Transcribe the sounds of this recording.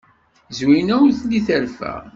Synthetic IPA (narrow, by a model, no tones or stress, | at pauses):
zwinæwɾθliθəɾfæ̰